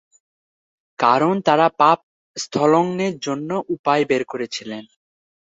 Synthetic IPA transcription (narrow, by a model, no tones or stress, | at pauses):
kaɾont̪aɾapap̚ | st̪ʰɔloŋneɾd͡ʑonːoʔupaebeɾkoɾet͡ɕʰilen